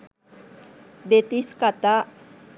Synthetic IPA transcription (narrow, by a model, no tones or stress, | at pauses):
d̪et̪iskat̪a